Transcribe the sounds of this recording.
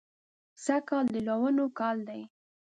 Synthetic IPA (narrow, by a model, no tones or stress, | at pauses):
sakɑld̪əlawənokɑld̪aj